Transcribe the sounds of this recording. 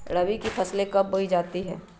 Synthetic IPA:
ɽɐʋikipʰɐslekɐbːoid͡ʒaːt̪iɦɛ̰ː

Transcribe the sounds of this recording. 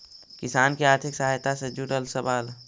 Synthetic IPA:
kɪsaːnkeaːɾt̪ʰɪksəɦaːjt̪ased͡ʒuɾəlsəʋaːl

